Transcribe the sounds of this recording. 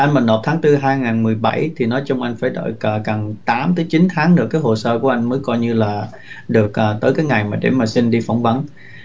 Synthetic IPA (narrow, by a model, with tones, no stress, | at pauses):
ʔa˧jnmaː˨˩no˨˩p̚t̪ʰaː˨˦ŋt̪ɨ˧ɦaː˧jŋaː˨˩nmɨ˨˩əjɓa˧˩jt̪ʰi˨˩nɔ˨˦jt͡ɕʊ˧wŋ͡mʔa˧jŋ̟faː˧˩jɗə̰ː˧˨jkːka˨˩ŋt̪aː˨˦mt̪əː˨˦jt͡ɕi˨˦nt̪ʰaː˨˦ŋnɨ˧˩əkːaː˨˦jɦo˨˩səː˧ku˧˩əʔa˧jŋ̟məː˨˦jkɔ˧jɲɨ˧laː˨˩ | ɗɨ˨˩ək̚ʔaː˨˩t̪əː˨˦jkaː˨˦jŋa˨˩jmaː˨˩ɗḛ˧˩maː˨˩si˧nɗi˧fa˧˩wŋ͡mvə˨˦n